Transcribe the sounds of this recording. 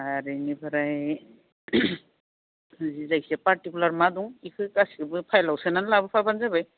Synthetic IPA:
aɾinibʰaɾai | zizajsɛpaɾʈikulaɾmad̪uŋikʰɯkasikʰɯbɯpʰajlawsenanlabɯpʰabanzabaj

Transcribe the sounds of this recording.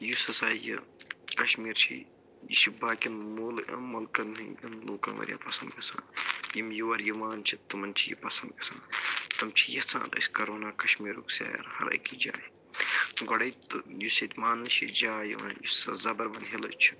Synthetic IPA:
jusɐsaːjɐ̰kɐʃmiːɾt͡ʃʰḭ | jiʃibaːkinmoːlɐmɐlkɐnjɐnluːkɐ̰nʋɐ̰ɾʲja̰ːpɐsɐnd̪kɐsã̰ːjimjuʋɐɾjiʋaːnt͡ʃʰit̪ːumɐnt͡ʃʰijḭpɐsɐnd̪kɐ̥sãːt̪ɐmt͡ʃʰijɐt͡sʰã̰ːnɐ̰sʲkɐɾoːnaːkɐʃmiːɾuksa̰ːjɐ̰ɾhɐ̰ɾɐ̰jkid͡ʒa̰ːji | ɡɐɽɐjt̪ujusɐt̪ʲmaːnːɨʃḭd͡ʒaːjḭʋaːnjusɐzɐbɐɾbɐnɦilɐ̰t͡ʃʰi̥

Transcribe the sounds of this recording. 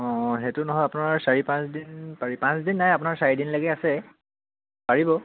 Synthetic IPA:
ɔ̃ɦetʊnɔɦɔjapunaɹsaɹipãsdinpaɹipãsdinːajapʊnaɹsaɹidinlaɡɛasɛ | paɹibɔ

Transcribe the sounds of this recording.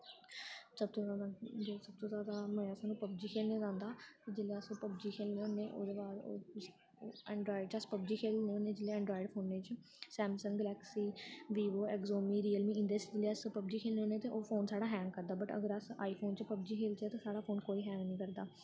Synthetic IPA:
səb̚t̪oːaːad͡ʒeːsəb̚t̪oːzjaːd̪aːməaːsaːnũːpəb̚d͡ʒiːkʰeːlneːd̪ãːnd̪aːt̪ed͡ʒeleːəspəbd͡ʒiːkʰeːlneoneːʔo̰ːd̪eːbaːɾ̰ | ɛːɳɖɾaːɪɖt͡ʃəspəb̚d͡ʒiːkʰeːlneoːneːd͡ʒɪleːɛ̃ːɳɖɾɔːiɪɖpʰoːnːeːt͡ʃ | sɛːmsəŋɡəlɛːksiːʋiːʋoːɛːkzoːmiːɾiːəlmiːɪ̃nd̪esd͡ʒɪleːspəb̚d͡ʒiːkʰeːlneoːneːt̪eːʔoːpʰoːnsaːɽaːɦɛːŋɡ̚kəɾd̪aːbəʈə̰ɡəɾəsaːiːpʰoːnt͡ʃpəb̚d͡ʒiːkʰeːlt͡ʃɛːt̪aːsaːɽaːpʰoːnkoːiːɦɛ̃ːŋɡnĩːkəɾd̪aː

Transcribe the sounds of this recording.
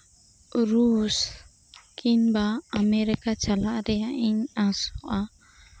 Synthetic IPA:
ɾus | kʰinbaːmɛɾikat͡ʃalaʔɾɛaʔiɲasɔʔa

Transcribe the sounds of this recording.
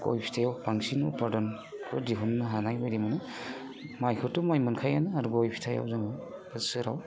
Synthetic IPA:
ɡo̰jpʰi̥tʰajawpaŋsinupaɾdɔn | ɾɯdiɦunːɯɦanajbajdimɯnɯ | majkʰɯtːumajmɯnkʰajanɯaɾɡojpʰi̥tʰaja̰wzaŋɯbɯsɯɾa̰w

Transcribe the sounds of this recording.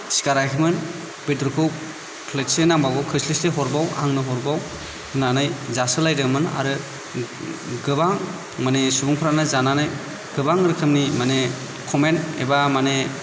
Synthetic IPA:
si̥kaɾajkʰimɯn | bedɾukʰu | pʰlet̚senaŋbaɡɔkʰɯslisleɦɔɾbawa̰ŋnɯɦɔɾbaw | hɯnanɯjzasɯlajdɯmɯna̰ɾɯ | ɡɯbaŋ | manesubuŋpʰɾanɯzananɯj | ɡ̥ɯbaŋɾɯkʰɯmnimane | kʰɔmenḛbamane

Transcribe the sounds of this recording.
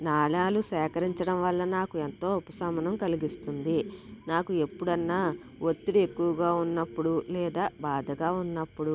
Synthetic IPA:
naːɭaːlusɛːkɐɾiɲt͡ʃɐɽɐmʋɐɭːɐnaːkuent̪o̞ːpusɐmɐnɐmkɐliɡist̪und̪inaːkue̞pːuɽɐnːaː | ʋot̪ːuɽie̞kːuʋɐɡaːunːɐpːuɽulɛːd̪aːbaːd̪ʱɐɡaːunːɐpːuɽu

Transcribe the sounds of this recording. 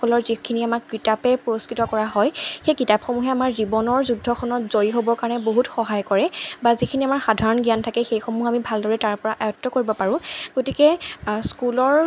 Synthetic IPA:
ɔlɔɹzikʰiniamakkɹitapɛpɹoskɹitɔkɔɹaɦɔjxejkitapxomuɦɛamaɹzibɔnɔɹzudʱɔkʰɔnɔtz̥ojiɦobɔɹkaɹɔnɛboɦutxɔɦajkɔɹɛbazikʰiniamaɹxadʱaɹɔnɡijantʰakɛxejxomuɦamibʱaldɔɹɛtaɹpɔɹaʔajɔtːɔkoɹibɔpaɹʊ̃ɡ̥otikɛskulɔɹ

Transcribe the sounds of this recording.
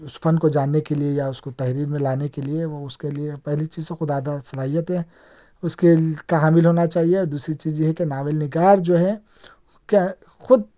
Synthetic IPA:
ʊsfʰɐnkod͡ʒaːnːekeliejaʊskot̪ɐɦɾiːɾmẽlaːnekelieʋoʊskeliepɛɦlit͡ʃiːzsexʊd̪aːd̪asɐlaːɦijət̪ɦɛː | ʊskekaɦaːmɪlɦoːnat͡ʃaːɦieɾd̪uːsɾit͡ʃiːzɦɛkenaːʋelnɪɡaːɾd͡ʒoːɦɛ | ke | xʊd̪̚

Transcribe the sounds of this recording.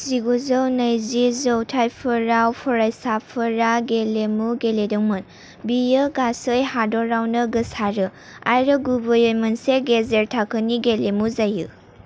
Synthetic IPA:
ziɡuzɯwnəjzizɔwtʰajpʰɯɾawpʰɔɾajsapʰɯɾaɡelemuɡeledɯŋmɯn | bijɯɡasɯjɦadɔɾawnɯɡɯsaɾɯ | ajɾɯɡubɯjojmɯnseɡezeɾtʰakʰɯniɡelemuzajːɯ̰

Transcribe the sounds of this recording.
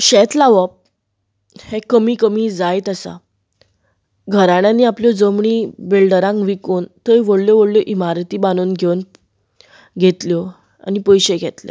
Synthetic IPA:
ɕɛt̪laʋəp̚ | hekəmiːkəmid͡zajt̪əsa̰ | ɡʱəɾaɽjãnːiːapljɔd͡zəmɳibelɖəɾãŋkʋikoːnt̪əjʋəɽljɔʋəɽljɔʔimaɾt̪iːbanuːnɡʱewn | ɡʱet̪ljɔ | a̰nipəjɕeɡʱet̪lḛ

